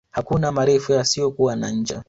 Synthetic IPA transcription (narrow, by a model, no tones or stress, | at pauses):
hakunamaɾɛfujasijɔkuwana̰ɲ̩d͡ʒa̰